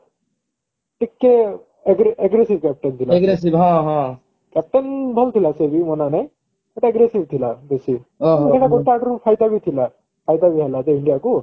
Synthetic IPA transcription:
ʈikːe | eɡɾeɡɾesibkɛp̚ʈənt̪ʰilaeɡɾes̬ibɦãɦã | kɛp̚ʈənbʱɔlt̪ʰilasebimɔnanɛ | eʈaeɡɾesibt̪ʰilab̪esiɦkɛʈaɡɔʈːaːkɾupʰajd̪abʱit̪ʰila | pʰajd̪abiɦɛlat̪eiɳɖijaku

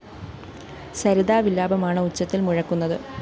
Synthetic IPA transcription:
sɐɾiðaːʋilːaːbɐmaːɳɨut͡ɕːɐt̪ːilmuɻɐkːunːɐðɨ

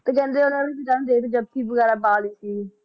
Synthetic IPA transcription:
t̪eːkɛ̃ːnd̪eːʊnãːdiːbidaːnũd̪eːt̪ed͡ʒəb̚kʰiːbəɡɛːɾaːbaːliːsiː

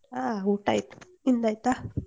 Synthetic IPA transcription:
auʈa̰jt̪u̥ | ind̪ajt̪a

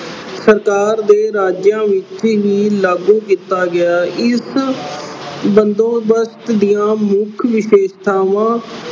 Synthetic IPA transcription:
səɾkaːɾd̪eːɾaːd͡ʒjãːʋɪt͡ʃɦiːlaːɡũːkiːt̪aːɡɪaːʔɪs | bənd̪õːbəst̪d̪ijãːmʊkʰʋɪʃeːʃt̪ʰaːʋãː

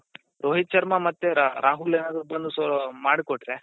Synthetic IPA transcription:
ɾoːɦit͡ʃːɐɾmamɐt̪ːeɾʔaːɦuleːnaːd̪ɾubɐnd̪usmaːɽkoʈɾe

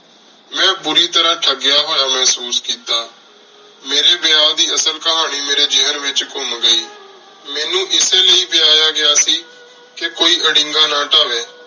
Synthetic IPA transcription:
mɛ̃ːbʊɾiːt̪əɾãːʈʰəɡɪjaːɦoːjaːmɛɦsuːskiːt̪aː | meːɾeːbɪjaːd̪iːəsəlkəɦaːñiːmeːɾeːd͡ʒɪɦəɾʋɪt͡ʃkʊmɡəiː | mɛːnũːʔɪseːləiːbɪjaːjaːɡɪjaːsiː | kekoːiːʔəɽɪ̃ŋɡaːnãːʈaːʋeː

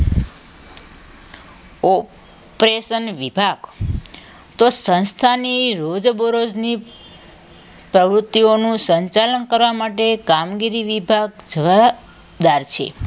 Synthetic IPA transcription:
ɔ | pɾeʃənʋibʱaɡ | t̪osə̃nst̪ʰaniɾod͡ʒboɾod͡ʒni | pɾəʋɾut̪ːionũsəɲt͡ʃalənkəɾʋamaʈekamɡiɾiʋibʱaɡd͡ʒəʋa | d̪aɾt͡ʃʰḛ

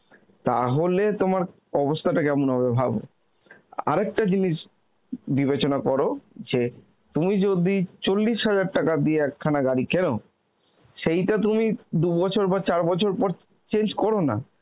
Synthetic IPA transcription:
t̪a̰ɦolet̪omaɾ | ɔbost̪ʰaʈakɛmonɦɔbebʱabo̰ | a̰ɾɛk̚ʈad͡ʑiniʃ | bibet͡ɕonakɔɾod͡ʑe | t̪umid͡ʑod̪it͡ɕolːiʃɦad͡ʑaɖ̚ʈakad̪ieɛkʰːanaɡaɾikɛno | ʃejʈat̪umid̪ubɔt͡ɕʰoɾbat͡ɕaɾbɔt͡ɕʰoɾpɔɾ | t͡ɕend͡ʑkɔɾona̰

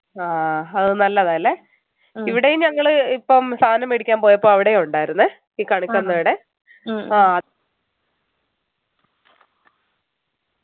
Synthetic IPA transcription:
aːɐðɨnɐlːɐðaːjɐlːe | iʋiɽejumɲɐŋːɐɭɨipːomst̪ʰaːnɐmeɽikʲːaːmpo̞ːjɐpːo̞ːɭɐʋiɽe̞uɳɖaːjiɾunːɨ | iːkɐɳukʲːɐnːɐːɽe | aːɐ

